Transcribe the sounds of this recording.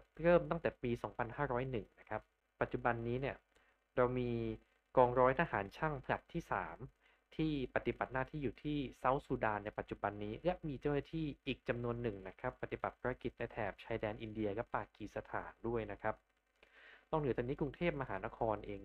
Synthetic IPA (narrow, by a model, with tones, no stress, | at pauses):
ɾɤː˥˩mt̪ɔ˥˩ŋt̪ɛː˨˩piː˧sɔː˩˦ŋpʰa˧nhaː˥˩ɾɔː˦˥jnɯ˨˩ŋna˦˥kʰa˦˥pː | a˨˩t̪̚ːt͡ɕu˨˩ba˧nːiː˦˥ni˥˩ɐ | ɾa˧wmiː˧ | kɔː˧ŋɾɔː˦˥jt̪ʰaː˧haː˩˦nt͡ɕʰa˥˩ŋpʰla˨˩tt̪ʰːiː˥˩saː˩˦m | t̪ʰiː˥˩pa˨˩t̪i˨˩ba˨˩t̪̚naː˥˩t̪ʰiː˥˩juː˨˩t̪ʰiː˥˩sa˦˥wsuː˧˩daː˧nːa˧jpa˨˩t̪̚t͡ɕu˨˩ba˧nːiː˦˥lɛ˦˥miː˧t͡ɕa˥˩wnaː˥˩t̪ʰiː˥˩ʔiː˨˩k̚t͡ɕa˧mnu˧ənːɯ˨˩ŋna˦˥kʰa˦˥pːa˧˩t̪i˨˩ba̰˨˩t̪̚pʰaː˧˥ɾa˧˥ki˨˩t̪̚na˧jt̪ʰɛː˨˩p̚t͡ɕʰaː˧jdɛː˧nʔi˧ndi˧ɐka˦˥ppaː˧˩kiː˨˩sa˧t̪ʰa̰ː˩˦ndu˥˩əjna˦˥kʰa˦˥p̚ | t̪ɔː˥˩ŋnɯ˩˦t̪ɔ˧niː˦˥kɾu˧ŋt̪ʰeː˥˩p̚ma˧ɦaː˩˦na˦˥kʰɔː˧nʔeː˧ŋ